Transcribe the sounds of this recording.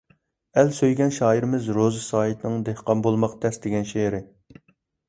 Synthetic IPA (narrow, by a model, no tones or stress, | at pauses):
ɛlsøjɡʲɛnʃɑːiɾɪmɪzɾozɨsɑːit̪nɨŋd̪ehqɑmbolˠmɑqt̪ʰɛsd̪eɡʲɛnʃeɾɪ